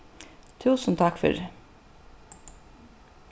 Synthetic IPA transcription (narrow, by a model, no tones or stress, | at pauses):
t̪ʰuːsnt̪ʰɑkfʏ̰ɾ